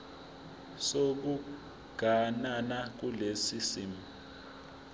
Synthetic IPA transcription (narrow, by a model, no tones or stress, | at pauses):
sok̬u | ɡ̥ʱananak̬ulesisimi